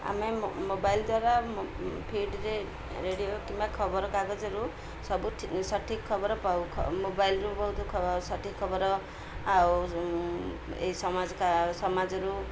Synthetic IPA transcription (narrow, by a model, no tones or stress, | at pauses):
a̰memobajld̪waɾa | pʰiɖɾe | ɾeɽijokimbakʰʌbɔɾɔkaɡɔd͡ʒɔɾu | sʌbuʈʰsʌʈʰikʰːʌbɔɾɔpawkʰmobajlɾubɔwt̪ʰukʰsʌʈʰikʰːɔbɔɾɔ | aw | ḛisɔmad͡zkasɔmad͡zɔɾu